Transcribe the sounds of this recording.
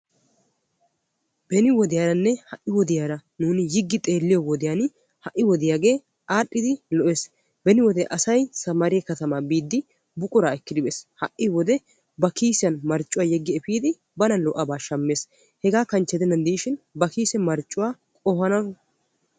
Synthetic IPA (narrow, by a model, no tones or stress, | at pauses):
b̥ɛnɪwɔd̪ɪjaːɾɐnːɛhɐʔːɪwɔd̪ɪjaːɾɐnuːnɪjɪɡːɪt̪ʼe̞ːlːɪjɔwɔd̪ɪjan | hɐʔːɪwɔd̪ɪjaːɡe̞ː | ʔaːɗʼːɪd̪ɪlɔʔe̞ːs | bɛnɪwɔd̪ɛʔɐsɐjsɐmɐɾɪjɛkɐt̪ɐmaːbiːd̪ːɪ | bʊkʼʊɾaːɛkːɪd̪ɪbeːshɐʔːɪwɔd̪ɛ | bɐkiːsɪjɐnmɐɾt͡ʃʼːʊwaːjɛɡːɪɛfiːd̪ɪ | bɐnɐnlɔʔɐbaːʃɐmːe̞ːs | hɛɡaːkɐnt͡ʃːɛd̪ɛnːɐnd̪iːʃɪnbɐkiːsɛmɐɾt͡ʃʼːʊwaː | kʼɔhɐnɐ